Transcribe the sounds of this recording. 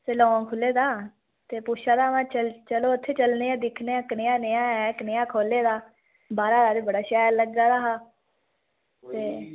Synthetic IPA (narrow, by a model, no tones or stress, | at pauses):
selɔ̃ːkʰʊleːd̪aː | t̪eːpʊʃaːd̪aːʋãːt͡ʃəlt͡ʃəloːət̪ʰːeːt͡ʃəlneːãːd̪ɪkʰneːãːkneãːneãːɛːkneãːkʰoːleːd̪aː | baːɾaːd̪aːd̪eːbəɽaːʃɛːɾləɡːaːd̪aːɦaː | t̪eː